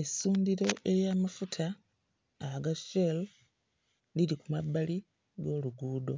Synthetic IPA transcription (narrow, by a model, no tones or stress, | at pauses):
esuːndiɾo̞ʔe̞jaːmafutʰaː | ɡasel | lilikumabːali | ɡo̞ːluɡuːdo̞